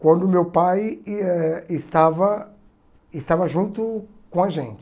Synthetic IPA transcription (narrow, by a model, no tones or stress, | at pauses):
kwɐ̃nd̪ʊmewpajɛɪst̪avɐ | ɪst̪avɐʒũnt̪ʊkõɐʒẽnt͡ʃɪ